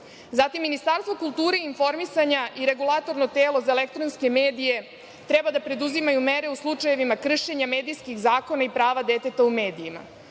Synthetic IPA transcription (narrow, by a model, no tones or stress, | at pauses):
zat̪imːinist̪aɾst̪ʋo̞kulˠt̪uːɾeiːnfo̞ɾmisaɲaʔiɾe̞ɡulˠat̪o̞ɾno̞t̪eːlo̞zaelek̚t̪ɾonske̞meːd̪ije̞ | t̪ɾɛbad̪apɾe̞d̪uzimajumeɾe̞uslˠut͡ʂaje̞ʋimakr̩ʃe̞ɲame̞ːd̪ijskixzaːkonaipɾaːʋad̪e̞t̪e̞t̪aume̞ːd̪ijima̰